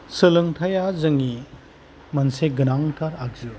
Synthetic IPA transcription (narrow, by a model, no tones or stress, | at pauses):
sɯlɯŋtʰajazɐŋi | mɐnseɡɯnaŋtʰaɾaɡ̚zɯ